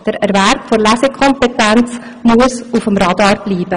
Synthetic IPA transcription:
d̥əɾɛɾʋæɾpfoɾlæsekʰɔmpetænt͡s | muəsufəmɾɑdɑːɾb̥liːb̥ə

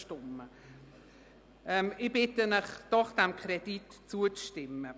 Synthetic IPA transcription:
ʃtʊmə | ɛmɪb̥ɪtənɪχd̥ɔχd̥ɛmkʰɾɛd̥itt͡suət͡sʃtɪmːə

